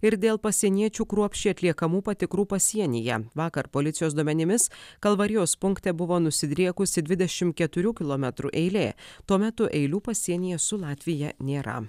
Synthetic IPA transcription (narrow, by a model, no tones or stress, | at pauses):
ɪɾd̪ʲeːlˠpɐsʲiɛnʲiɛt͡ʃʲuːkɾuɔpʲʃʲt͡ʃʲiːɐt̪ʲlʲiɛkɐmuːpɐt̪ʲɪkɾuːpɐsʲiɛnʲɪjɛ̰ʋɑːkɐɾpoːlʲɪt̪sʲɪjoːsd̪uɔmʲɛnʲɪmʲɪskɐlˠʋɐɾʲɪjoːspʊŋkt̪ʲɛbʊʋoːnʊsʲɪd̪ʲɾʲiɛkʊsʲɪd̪ʲʋʲɪd̪ʲɛʃʲɪm̚kʲɛt̪ʊɾʲuːkʲɪlˠoːmʲɛt̪ɾṵːʔɛɪlʲeːt̪uɔmʲɛt̪ʊʔɛɪlʲuːpɐsʲiɛnʲɪjɛsʊlˠɑːt̪ʲʋʲɪjɛnʲeːɾɐ̰